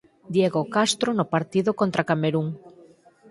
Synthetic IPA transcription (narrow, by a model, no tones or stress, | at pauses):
d̪jeɣokast̪ɾonʊpaɾt̪iðokont̪ɾakameɾuŋ